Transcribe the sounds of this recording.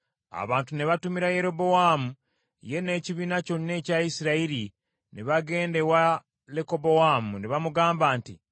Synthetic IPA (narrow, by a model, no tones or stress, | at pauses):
a̰βaːntuneβatumiɾaje̞ɾo̞bo̞wamu | je̞ne̞ːciβiːnaco̞nine̞ːcaisiɾaiɾi | neβaɡe̞ːnde̞wa | leko̞bo̞waːmuneβamuɡaːmbaːntḭ